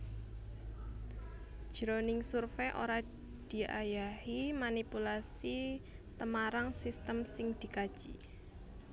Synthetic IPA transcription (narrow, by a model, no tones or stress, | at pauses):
d̥ʒ̥ɾonɪŋsurfeʔo̰ɾa | d̪̥i̤ʔajahimanipulasit̪əmaɾaŋsist̪əmsɪŋd̪̥i̤kad̥ʒ̥i